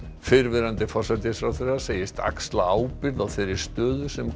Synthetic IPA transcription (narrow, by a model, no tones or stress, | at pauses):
fɪɾvɪɾant̪ɪfɔrsat̪ɪsfɾawθerːḁseːjɪst̪a̰kst̪laaːwpɪɾðaðθɛɾɪɾ̥st̪œːðʏ̥sɛm